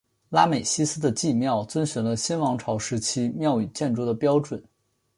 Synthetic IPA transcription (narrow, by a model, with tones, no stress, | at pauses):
la˥me˨˩ɪɕi˥sɹ̩˥d̪ə˧t͡ɕi˥˧mjɑ˥˩ʊt͡swə˥nɕy˨˧˩nlə˧ɕi˥nwɑ˧˥ŋʈ͡ʂʰɑ˧˥ʊʂɻ̩˧˥t͡ɕʰi˥mjɑ˥˩ʊy˨˩t͡ɕjɛ˥˧nʈ͡ʂu˥d̪ə˨pjɑ˥ʊʈ͡ʂwə˨˩˦n